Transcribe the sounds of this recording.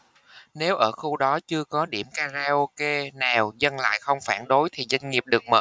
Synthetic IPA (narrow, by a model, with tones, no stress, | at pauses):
ne˨˦wʔəː˧˩xu˧ɗɔ˨˦t͡ɕɨ˧əkɔ˨˦ɗi˧˩əmkaː˧zaː˧ʔo˧ke˧naː˨˩wzə˧nla̰ː˧˨jxə˧wŋ͡mfaː˧˩nɗo˨˦jt̪ʰi˨˩zwa˧jŋ̟ŋi˨˩əp̚ɗɨ˨˩ək̚mə̰ː˧˩